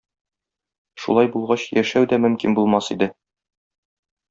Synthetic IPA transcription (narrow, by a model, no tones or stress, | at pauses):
ʃṵlˠɑjbulˠʁɑɕjæʃæwd̪æmɵ̆mkinbulˠmɑsid̪ɘ